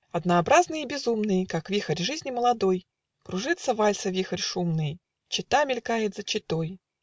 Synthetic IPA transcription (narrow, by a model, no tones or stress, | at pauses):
ɐd̪nəːbɾaznɨjibʲɪzumnɨjkakvʲixərʲʐɨzʲnʲɪməlˠɐd̪o̞j | kɾʊʐɨt̪sːəvalʲsəvʲixərʲʂumnɨj | t͡ɕɪt̪amʲɪlʲkajɪt̪zət͡ɕɪt̪oj